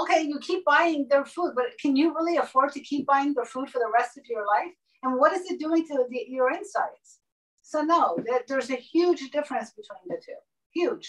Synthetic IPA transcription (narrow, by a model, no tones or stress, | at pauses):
oʊkʰeɪjɨkʰip̚b̥aɪɪ̃ŋðə˞fud̚bʌɾkʰɨ̃njɨɹɪlˠiəfɔɹd̚tʰɨkʰip̚b̥aɪɪ̃ŋðə˞fud̥fə˞ðəɹɛstʌvjə˞laɪf | ɨ̃nwʌɾɨzɨt̚d̥uɪ̃ŋtʰɨðijə˞ɪ̃nsaɪdz̥ | soʊnoʊðɨt̪̚ðə˞zɨhjʉd͡ʒdɪfɹɨ̃nsb̥ɨtʰw̥ĩnðɨtʰʉ | hjʉd̥ʒ̥